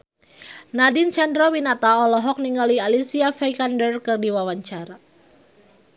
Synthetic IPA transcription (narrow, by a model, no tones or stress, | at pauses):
nadint͡ʃandɾɔwinat̪aɔlɔɦɔk̚niŋɡalialisiafɛkandərkɨrdiwawaɲt͡ʃaɾa